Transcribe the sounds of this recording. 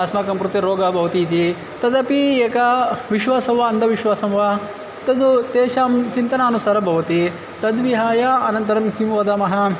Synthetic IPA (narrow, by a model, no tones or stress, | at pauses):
ɐsmaːkɐmkɾut̪ɐɾoːɡaːbʱɐʋɐt̪iːt̪i | t̪ɐd̪ɐpieːkɐʋiʃʋaːsɐmʋaɐnd̪ɐʋiʃʋaːsɐmʋa | t̪ɐd̪ut̪eːʃaːmt͡ʃint̪ɐnaːnusaːɾɐbʱɐʋɐt̪i | t̪ɐd̪ʋiɦaːjaːɐnɐnt̪ɐɾɐmkimʋɐd̪ɐmɐɦɐ